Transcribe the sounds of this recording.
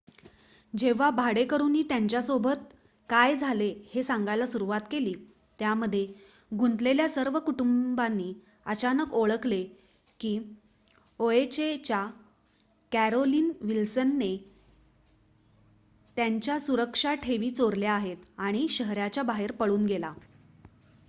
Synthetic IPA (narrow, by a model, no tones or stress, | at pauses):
d͡ʑeʋ̤abʱaɽekəɾuːnːiːt̪jaɲt͡ɕjasobət̪̚ | kajd͡zʱalehesãŋɡajlasuɾuʋat̪keliː | t̪jaməd̪ʱje | ɡʱunt̪leljasəɾʋəkuʈumbanːiː | ət͡ɕanəkoɭəkle | kiː | oet͡ɕet͡ɕja | kæɾoliːnʋilsənːe | t̪jaɲt͡ɕjasuɾəkʂaʈʰeʋiːt͡soɾljaaɦet̪aɽ̃iɕəɦɾjat͡ɕjabaɦeɾpəɭuːnɡela